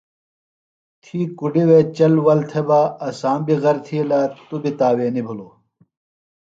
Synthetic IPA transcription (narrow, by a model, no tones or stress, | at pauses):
t̪ʰiːkuɖiwet͡ɕɐlwɐlt̪ʰebaːɐsaːmbiɣɐɾt̪ʰilaːt̪ubit̪aːweːnibʱuloː